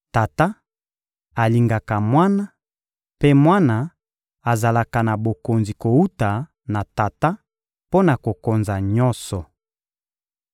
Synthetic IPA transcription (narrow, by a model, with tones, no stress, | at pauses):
ta˨ta˦ | a˨li˨ŋɡa˨ka˨mwa˦na˦ | pe˦mwa˦na˨ | a˨za˨la˨ka˨na˨bo˨ko˨nzi˨ko˨u˦ta˨ | na˨ta˨ta˦ | po˦na˨ko˨ko˨nza˨ɲɔ˦sɔ˨